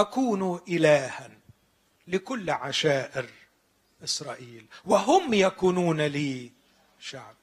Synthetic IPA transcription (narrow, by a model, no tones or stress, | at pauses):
akuːnuʔɪlaːhan | lɪkʊlːʕaʃaːʔɪɾ | ʔɪsɾˤɑːʔiːlwaɦʊmjakuːnuːnaliː | ʃaʕb̚